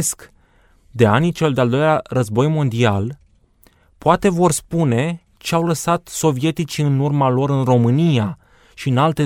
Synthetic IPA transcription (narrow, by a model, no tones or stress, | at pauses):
sk | d̪e̞anit͡ʃe̞ld̪eald̪o̞jlʲarəzbo̞jmo̞nd̪ial | poat̪e̞vo̞rspune̞ | t͡ʃeawləsat̪so̞vije̞t̪it͡ʃiɨnurmalo̞ɾɨnro̞mɨnija | ʃiɨnalt̪e̞